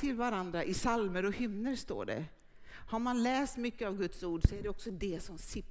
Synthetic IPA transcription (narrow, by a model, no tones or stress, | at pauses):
ɪlvaɾand̪ɾaʔɪsalməɾɔhʏmnəɾst̪o̰ːɖɛ̰ | haɾmanlɛːst̪mʏkːəavɡɵt̪suːɖsɔæɖɛɔksɔd̪ɛsɔmsɪ